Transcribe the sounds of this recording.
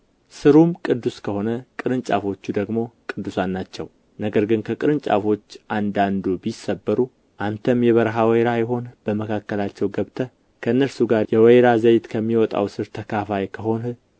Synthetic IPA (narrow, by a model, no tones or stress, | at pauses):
sɨɾumkʼɨd̪ːuskʰəho̞nəkʼɨɾɨnt͡ʃʼa̰fo̞t͡ʃːud̪əɡmo̞kʼɨd̪ːusanːat͡ʃːɛ̰w | nəɡəɾɡɨnkʰəkʼɨɾɨnt͡ʃʼa̰fo̞t͡ʃːʔand̪and̪ubisːəbːəɾu | ʔant̪ʰəmjɛβəɾɦawjɾajɛɦo̞nb̥əməkʰakːəlat͡ʃːɛwɡəβt̪ʰə | kʰəɨnːəɾsuɡaɾjɛwɛjɾazəjt̪kʰəmːiwɔt̪ʼa̰wsɨɾt̪ʰəkʰafajkʰəɦo̞nɨl